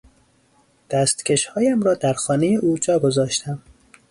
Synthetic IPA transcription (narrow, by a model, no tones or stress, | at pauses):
d̪̥æst̪cʰʲe̞ʃhɒːjæmɾɒːd̪æɾxɒːnejeʔuːd͡ʒɒːɡo̞zɒːʃt̪ʰæm